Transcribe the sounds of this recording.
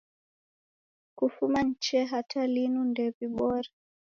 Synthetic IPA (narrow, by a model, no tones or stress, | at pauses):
kufuman̩t͡ʃɛɦatalinundɛviɓɔɾa